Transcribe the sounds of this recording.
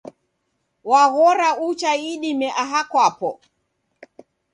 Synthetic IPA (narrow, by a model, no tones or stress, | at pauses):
waɣɔɾaut͡ʃaiɗimɛʔaɦakwapɔ